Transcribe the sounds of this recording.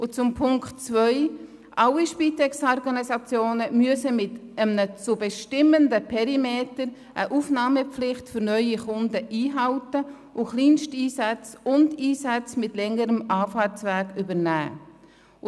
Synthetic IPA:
ʊt͡sʊmpʰʊŋktt͡svœʏ | ʔaliʃpiːtɛksɔɾɡɑnisɑt͡sjoːnəmyəsəmɪtəmnət͡subɛʃtɪmːəndəpʰɛɾimeːtəɾ | ʔəʔuːfnɑːməp͡flɪχtfʏɾnœʏiχʊndəʔiːɦɑltə | ʔʊχliːnʃtiːsɛt͡sʊndiːsɛt͡smɪtlɛŋəɾəmɑːfɑːt͡svɛːkybəɾnæ̰ː

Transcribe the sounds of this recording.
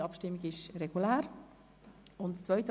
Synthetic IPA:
ɑpʃtɪmːiɡɪʃrɛɡ̥ulæːɾ | ʊntt͡sʋœʏt

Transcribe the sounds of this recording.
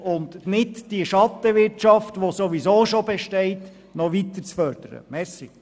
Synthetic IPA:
ʊnd̪nɪtd̥iəʃɑt̪ːəʋɪɾt͡ʃɑftʋosoʋisoːʃobɛʃtɛɪt | nɔʋit̪əɾt͡sfœɾd̥̪əɾə̰mɛɾsi

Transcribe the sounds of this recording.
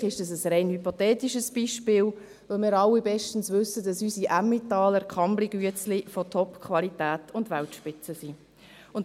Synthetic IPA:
ɪʃdɑsəsɾɛɪnhypotɛːtiʃəsb̥iʃpɪːl | ʋɪlmɪːɾɑlːibɛʃtən̩svʏsəd̥ɑsysiʔæmitɑːləɾkʰχɑmbliɡyət͡slifɔtʰɔpkχvɑlitæːtʊndʋæltʃpɪt͡səsi | ʊn

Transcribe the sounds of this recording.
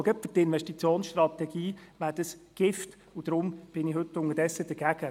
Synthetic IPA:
ɡɛpfətɪnʋɛʃtit͡sjoːnsʃtrɑt̪ɛɡ̥iːʋæːdəsɡ̥ɪft | ud̥̪ɾʊmb̥ɪnɪhɵtːʊŋəɾdɛsːəd̥əɡ̥æɡ̥ə

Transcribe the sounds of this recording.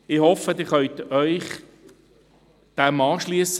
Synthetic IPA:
ɪhɔfəd̪ɪːχœʏtœʏχ | d̪̥æmɑːʃliəs

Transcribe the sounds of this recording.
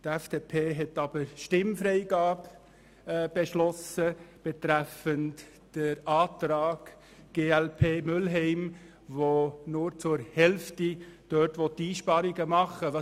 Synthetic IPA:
tɛfd̥epʰeːɦɛtɑb̥əɾʃtɪmfɾɛɪɡɑːb | b̥eʃlɔsəb̥et̪ɾæfənt | d̥əɾɑːtɾɑːɡ̥ | ɡ̥eːælpʰeːmʏlɦɛɪm | vonʊɾt͡sʊɾhɛlftid̥øtʋɔtːiːʃpɑɾiɡəmɑχəʋɑ

